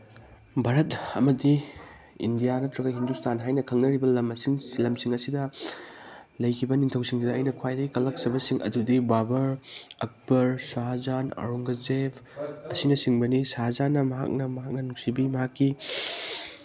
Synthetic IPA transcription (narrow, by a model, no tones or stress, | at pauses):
bʱaɾɐtɐ̰mɐdi | ḭndijanɐtɾɐɡajɦindustanɦajnɐkʰɐŋnɐɾibɐlɐmɐsiŋlɐmsiŋɐsidɐ | lɐjkʰibɐniŋtʰɐwsiŋsidɐːjnɐkʰwajdɐɡikɐlɐk̚t͡ʃɐbɐsiŋʔɐ̰dudibabɐɾɐk̚bɐɾsaɦazanɐ̰ɾuŋɡɐzebʰɐsinɐsiŋbɐnisazanːɐmɐɦa̰k̚nɐmɐɦak̚nɐnuk̚sibimɐɦakːi